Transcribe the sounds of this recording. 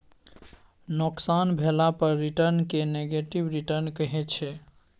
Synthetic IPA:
noksanbʱelapəɾːiʈəɾnkeneɡeʈibɾiʈəɾnkəɦɛt͡ʃʰɛ

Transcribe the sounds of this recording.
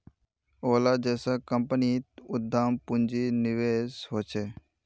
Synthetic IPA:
oːlad͡ʒɛːsakəmpənit̪ʊd̪ʱːaːmpʊnd͡ʒinɪʋeːsɦoːt͡ʃʰeː

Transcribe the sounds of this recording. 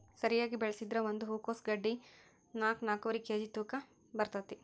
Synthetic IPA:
sɐɾijaːɡibɛɭɐsid̪ɾɐʋond̪uɦuːkoːsɡɐɖːi | naːknaːkɐʋɐɾikeːd͡ʒit̪uːkɐ | bɐɾt̪ɐt̪ːi

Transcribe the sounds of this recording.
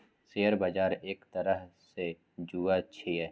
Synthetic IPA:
sejəɾbad͡ʒaːɾeːkt̪əɾəɦse | d͡ʒuːaʃʰiɦɛː

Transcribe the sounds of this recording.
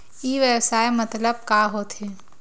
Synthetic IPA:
iʋjəwsaːjemɐt̪ləb̚kaɦot̪ʰeː

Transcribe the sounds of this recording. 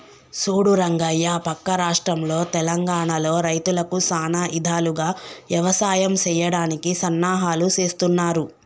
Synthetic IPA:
suːɽuɾɐŋɡɐjːapɐkːɐɾaːʂʈɾɐmlo̞ːt̪ɛlɐŋɡaːɳalo̞ːɾɐjt̪ulɐkusaːnaːʔid̪ʱaːluɡaːʋjɐʋɐsaːjɐmt͡ʃɛːjɐɽaːnikisɐnːaːɦaːlut͡ʃe̞ːst̪unːaːɾu

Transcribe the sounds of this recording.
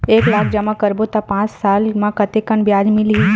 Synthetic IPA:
eːklaːkʰd͡ʒɐmakəɾbot̪apãːt͡ʃsaːlmãkət̪ekəɳbjaːd͡ʒmɪlɦi

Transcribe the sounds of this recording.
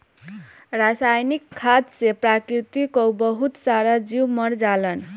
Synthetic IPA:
rasajnikʰːad̪seprakɾit̪ikobʌɦut̪saɾad͡ziwmʌɾd͡zalʌn

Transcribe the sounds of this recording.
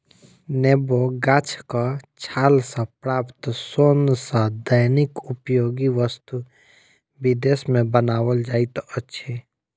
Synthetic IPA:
neboɡaːt͡ʃʰkat͡ʃʰaːlsapɾaːpt̪soːnsad̪ajnɪkʊpjoːɡiʋəst̪u | bɪd̪eːsmẽbənaːwəld͡ʒaːit̪oətːʃʰe

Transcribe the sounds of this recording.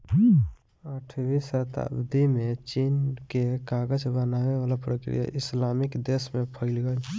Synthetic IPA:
əʈʰbisət̪a̰bd̪ʱimẽt͡ʃiːnkekaːɡəd͡ʒbənaweʋaːlapɾəkɾḭja̰ʔɪslaːmɪkd̪esmẽpʰəɪlɡəl

